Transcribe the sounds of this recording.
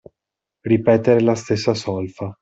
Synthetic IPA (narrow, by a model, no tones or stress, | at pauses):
ripɛːt̪eɾelast̪esːasɔlfa